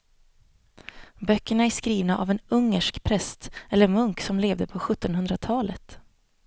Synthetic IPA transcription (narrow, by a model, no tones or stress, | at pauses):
bœkːəɳaæʂkɾiːvnaʔa̰vɛnɵŋːəʂkpʰɾɛst̪ɛlːəɾmɵŋksɔmleːvd̪əpʰɔɧɵt̪ːɔnhɵnd̪ɾat̪ʰɑːlət̪